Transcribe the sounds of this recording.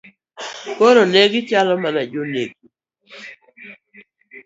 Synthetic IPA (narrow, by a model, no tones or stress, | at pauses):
koɾoneɡɪt͡ʃalɔmanad͡ʒonḛɡi